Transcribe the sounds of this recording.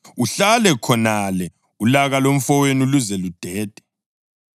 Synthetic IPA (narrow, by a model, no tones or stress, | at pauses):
uɬalɛkʰɔnalɛ | ulaɣalom̩fɔwenuluzɛlud̥ʱɛːd̥ʱɛ̥